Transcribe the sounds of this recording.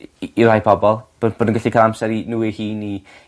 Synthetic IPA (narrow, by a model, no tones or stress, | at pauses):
irajpʰɔbɔlˠb̥ob̥oːdənɡɪɬikʰalˠamsɛɾinuːihiːni